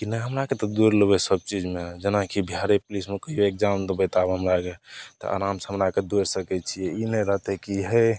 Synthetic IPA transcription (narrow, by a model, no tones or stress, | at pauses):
kinəɦəmɾaket̪ɔd̪uɾləbɛsəb̚t͡ʃid͡ʒmed͡ʒenakibʱjaɾeplismekəioek̚d͡ʒant̪ɔbət̪abɦəmɾaket̪ɔ̰ʔa̰ɾamsəɦmɾaked̪oɾsəkɛt͡ʃʰijɛinəɾəɦt̪ɛkiɦɛ